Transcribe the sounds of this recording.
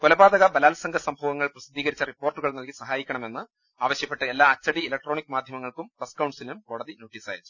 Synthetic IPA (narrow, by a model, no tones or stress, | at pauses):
kolɐbaːd̪ɐɣɐbɐlaːlɐsɐŋɡʱɐsɐmbʱɐːʋɐŋːɐɭprɐsid̪ʱːiːɣɐɾit͡ɕːɐripːoːrʈːuɣɐɭnɐlkisɐɦaːjikʲːɐɳɐme̞nːɨ | aːʋɐɕjɐpːe̞ʈːɐelːaːɐt͡ɕːɐɽiilɐk̚ʈro̞ːɳikːɨmaːd̪ʱjɐmɐŋːɐɭkumpɐskɐwɳɖsilumko̞ːɽɐðino̞ːʈːiːsa̰ːjit͡ɕːu̥